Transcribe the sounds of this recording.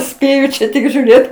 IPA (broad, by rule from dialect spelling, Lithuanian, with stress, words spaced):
ˈsʲpʲeːjʊ t͡ʃʲɛ ˈtʲɪk ʒʲuːˈrʲeːt